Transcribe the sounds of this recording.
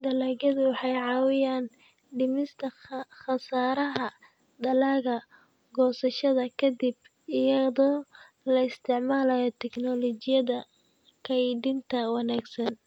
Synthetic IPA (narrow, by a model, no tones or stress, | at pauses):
d̪ɐlaːɣɐðʊwɑħɑjʕɑːwɪjaːn | ɖɪmɪst̪ʰɐxɐsaːɾɐɦɐ | d̪ɐlaːɣɐ | ɡɔːsɐʃɐðɐkʰɐd̪ib | ɪjɐðɔː | lɐɪst̪ʰɪʕmaːlɐjɔt̪ʰɛknɔlɔt͡ʃɪjɐðɐ | kʰɐjɖɪnt̪ʰɐwɑnaːɡsɐn